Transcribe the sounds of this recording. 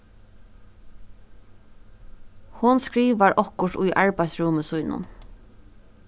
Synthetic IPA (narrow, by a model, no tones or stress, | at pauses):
hʊnskɹiːʋaɹʔɔkʊʂt̪ʊjʔaɹpajsɹʊməsʊjnʊ̰n